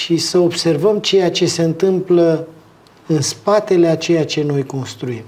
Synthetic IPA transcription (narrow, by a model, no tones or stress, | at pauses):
ʃisəo̞bse̞rvəmt͡ʃe̞jat͡ʃe̞se̞ɨnt̪ɨmplə | ɨnspat̪e̞leat͡ʃe̞jat͡ʃe̞no̞jko̞nst̪ɾuim